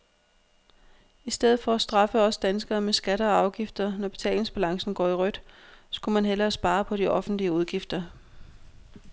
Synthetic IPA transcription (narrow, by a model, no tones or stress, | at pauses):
isd̥eð̞̰̩ˠfɒ̽æsd̥ʁɑ̈fəɒ̽səd̥ænsɡ̥ɐːmesɡ̥æɾ̥əɒɑ̈ʊɡ̥ifd̥ɐnɒb̥e̝t͡sʰɛ̰ːle̝ŋsb̥ælɑ̈ŋsn̩ɡ̥ɒ̰ːiʁœd̥sɡ̥umænɦelɐːsb̥ɑ̈ːɐpʰɒ̽diʔɒ̽fn̩d̥liəuð̞ˠɡ̥ifd̥ɐ